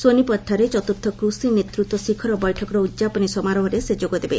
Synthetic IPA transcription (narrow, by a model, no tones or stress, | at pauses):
sonipɔt̪ʰːaɾet͡ʃɔt̪uɾt̪ʰːɔkɾusinet̪ɾut̪wɔsikʰɔɾɔbɔjʈʰɔkɔɾɔudd͡ʒapɔnisɔmaɾɔɦɔɾesed͡ʒoɡɔd̪ebe